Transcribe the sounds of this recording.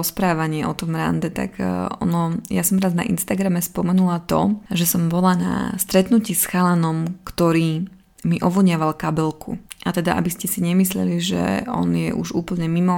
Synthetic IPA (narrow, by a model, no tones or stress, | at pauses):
ɔspɾaːʋaɲɪɛʔɔt̪ɔmɾa̰nd̪ɛt̪a̰kɔ̰nɔjasɔmɾazna̰ʔḭnst̪aɡɾamɛspɔmɛnulat̪ɔ̰ʒɛsɔmbɔlana̰st̪ɾɛt̪nuciːsxalanɔmkt̪ɔɾiː | miʔɔʋɔɲɪaʋalkabɛlkṵʔat̪ɛd̪aʔa̰biscɛsiɲɛmislɛliʒɛ̰ɔ̰njɛ̰ʔṵʒṵːpl̩ɲɛmimɔ